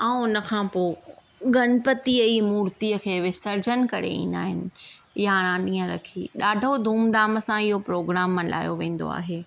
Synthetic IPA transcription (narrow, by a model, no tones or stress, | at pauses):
ɛ̃ːʊnə̆kʰãːpoː | ɡɐnpət̪iəiːmuːɾt̪iəkʰeːʋɪsɐɾd͡ʑənkɐɾḛḭːnd̪a̰ːɦɪnɪ̆ | jaɾ̃ãɗĩːə̃ɾɐ̰kʰḭɗaːɖʱod̪ʱuːmd̪aːmə̆sãɪɦopɾoːɡɾaːmːəla̰ːjoʋẽːn̆d̪o̰a̰ːɦeː